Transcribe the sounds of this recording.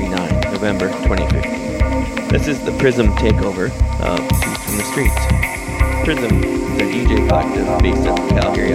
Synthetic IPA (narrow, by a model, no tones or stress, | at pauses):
inãɪ̃nnoʊvɛ̃mbə˞tʰw̥ɛ̃ɾ̃ḭfɪ̰ftĩnðɪsɨzðɨpʰɹ̥ɪzɨ̃mtʰeɪkoʊvə˞ | ɨfɹʌ̃m̩ðɨstɹ̥its | pʰɹ̥ɪzɨ̃mzðɨ̃id͡ʒɨfæk̚tə˞beɪsʌ̰v̥kʰæ̰lˠəɡɪɹi